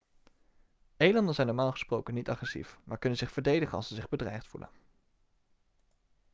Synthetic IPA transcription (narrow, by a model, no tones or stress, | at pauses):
ejlɑndənzɛjnɔɹmaːlˠχə̥sprowkənitɑχrɛsḭfmaːɹkɵnənzɪχfəɹdejdəχənɑ̰lˠsəzɪχbədrɛ̰jχtfṵlə̰n